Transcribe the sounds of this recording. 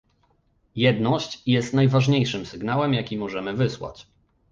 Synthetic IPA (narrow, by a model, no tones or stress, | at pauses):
jɛd̪nɔɕt͡ɕjɛst̪najvaʐɲejʂɘmsɘɡnawɛmjakʲimɔʐɛmɘvɘswa̰t͡ɕ